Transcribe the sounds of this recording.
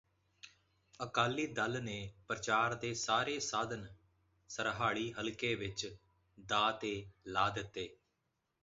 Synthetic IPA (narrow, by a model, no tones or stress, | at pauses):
əkaːliːd̪əlneːpɾət͡ʃaːɾd̪eːsaːɾeːsaːd̪ən | səɾɦaːɭiːɦəlkeːʋɪt͡ʃ | d̪aːt̪eːlaːd̪ɪt̪ːeː